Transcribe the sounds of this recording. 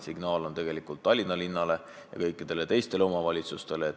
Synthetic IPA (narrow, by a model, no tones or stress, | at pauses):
siɡ̥nɑːlo̞nt̪e̞ɡ̥e̞likːˑult̪ˑːɑlʲːinːɑlinːɑle̞ | jɑ̰kɤ̞jkːˑid̪̥e̞le̞t̪e̞jst̪eleomɑvɑlʲit̪sust̪e̞leː